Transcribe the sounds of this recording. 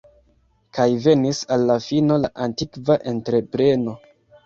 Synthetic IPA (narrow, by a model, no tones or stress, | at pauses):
kajve̞nisalːafino̞laʔantikvaʔe̞ntɾe̞pɾe̞no̞